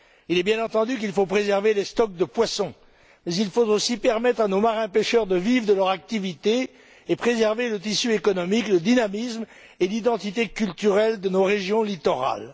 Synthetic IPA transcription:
ilɛbjɛ̃nɑ̃t̪ɑ̃d̪yk̬ilfopχezɛʁvelest̪ɔk̚d̪əpwasɔ̃ | mɛzilfot̪osipɛʁmɛt̪χanomaʁɛ̃peʃœʁd̪əvivd̪əlœʁak̚t̪ivit̪e | epχezɛʁvelət̪isyekɔnɔmikləd̪inamism | elid̪ɑ̃t̪it̪ekʲylt̪yʁɛld̪ənoʁeʒjɔ̃lit̪ɔʁa̰l

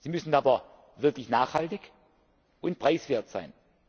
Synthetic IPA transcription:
z̥iːmʏsn̩aːbɐ | vɪɐklɪçnaːχhaltɪç | ʔʊnt̚pʁ̥aɪsv̥eːɐtz̥a̰ɪn

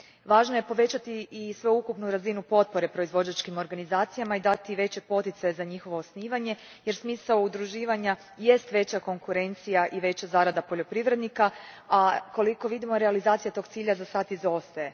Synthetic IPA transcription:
ʋaːʒnoje̞po̞ʋe̞t͡ɕat̪iːsʋeukupnuɾazinupo̞t̪̚po̞ɾe̞pɾo̞izʋo̞d͡ʑat͡ʃkimo̞ɾɡanizaːt̪sijamaid̪at̪iʋe̞t͡ɕe̞po̞t̪it̪sajezaɲixo̞ʋo̞ːsniːʋaɲe̞ | je̞ɾsmiːsaud̪ɾuʒiːʋaɲa | je̞st̪ʋe̞t͡ɕako̞ŋkuɾe̞nt̪sijaʔiʋe̞t͡ɕazaːɾad̪apo̞ʎo̞pɾiʋɾe̞d̪nika | ako̞liko̞ʋid̪imo̞ɾealizaːt̪sijat̪o̞ɡ̚tsiːʎazasaːt̪izo̞st̪aje̞

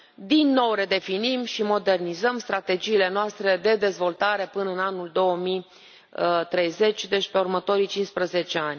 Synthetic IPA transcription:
d̪inːo̞wɾe̞d̪e̞finimʃimo̞d̪e̞rnizəmst̪ɾat̪e̞d͡ʒiːle̞noast̪ɾe̞d̪e̞d̪e̞zvo̞lt̪aɾe̞pɨnəɨnanuld̪o̞əmij | ət̪ɾe̞jze̞t͡ʃʲd̪e̞t͡ʃpe̞urmət̪o̞ɾit͡ʃinspɾəze̞t͡ʃe̞anʲ

